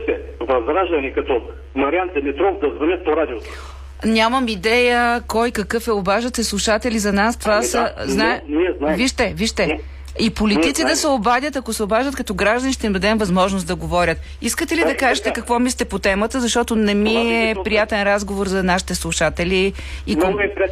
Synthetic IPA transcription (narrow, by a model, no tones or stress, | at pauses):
sɛ | vɐzɡɾaʒd̪ɐnikɐt̪ɔ | mɐɾʲijand̪ɛmɛt̪ɾɔfd̪ɐzvɐnʲət̪̚poɾad̪ʲiot̪o̥ | nʲaməmid̪ɛjəkɔjkɐkɤfɛobaʒət̪ɛslˠuʃat̪ɛlizɐnast̪vasəznaɛniɛznaviʃt̪ɛviʃt̪ɛ | ipoliit̪sid̪ɐsɛobad̪ʲət̪ɐkosɛobaʒət̪̚kɐt̪ɔɡɾaʒd̪ɐniʃt̪ɛimd̪ɐd̪ɛmvɐzmɔʒnosd̪ɐɡovɔɾʲət̪ | iskət̪ɛlid̪ɐkaʒɛt̪ɛkɐkvɔmislʲt̪ɛpot̪ɛmət̪əzɐʃt̪ɔt̪onɛmiɛpɾijat̪ɛnɾazɡovoɾzɐnaʃi̥t̪ɛslˠuʃat̪ɛli | iɛp